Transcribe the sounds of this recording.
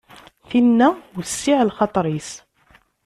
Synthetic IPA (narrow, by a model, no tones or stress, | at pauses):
finːæwəsːiʕəlxɑt̪ˤɾis